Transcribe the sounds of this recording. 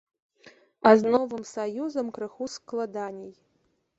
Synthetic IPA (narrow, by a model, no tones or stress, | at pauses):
aznɔvɨmsajuzɐmkɾɨxusklˠad̪anʲej